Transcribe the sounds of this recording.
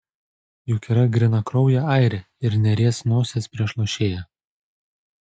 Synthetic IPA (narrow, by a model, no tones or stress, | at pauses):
jʊkʲɛɾɐɡɾʲɪnɐkɾɔʊjɛɐɪɾʲɛ | ɪɾnʲɛɾʲeɛsnoːsʲeːspʲɾʲiɛʃlˠɔʃʲeːjɛ